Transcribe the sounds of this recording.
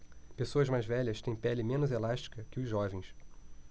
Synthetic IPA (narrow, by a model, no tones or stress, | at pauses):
pesoɐzmajzvɛʎɐst̪ẽj̃pɛlɪmẽnʊzelaʃt͡ʃi̥kɐkɪʊzʒɔvẽj̃s